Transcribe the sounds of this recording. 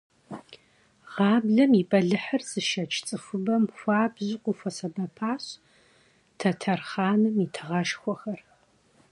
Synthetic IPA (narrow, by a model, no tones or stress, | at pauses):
ʁɑːbɮɐmipʼɐɮɨħərsɨʃɐt͡ʃʰt͡sʼɨfʷʊbɐmxʷɑːbʑɪqʷʊfʷɐsɐbɐpʰaːɕ | tʰɐtʰɐrχaːnɨmitʰɨʁɐʃxʷɔxɐr